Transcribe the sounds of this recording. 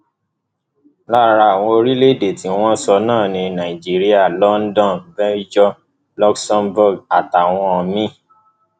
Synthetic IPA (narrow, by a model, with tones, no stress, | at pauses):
la˦ɾa˧a˨w̃ɔ̃˧o˧ɾi˦le˦˨de˨ti˨˦w̃ɔ̃˦sɔ˧nãː˦˨nĩ˧nã˨i˨d͡ʒi˦ɾi˦a˦˨lɔ˦n̩˦dɔ̃˦˨nvɛ˦d͡ʒɔ˦ | lɔ˦ksɔ̃˦mbu˦˨ɡa˨ta˨w̃ɔ̃˧ɔ˧mĩ˦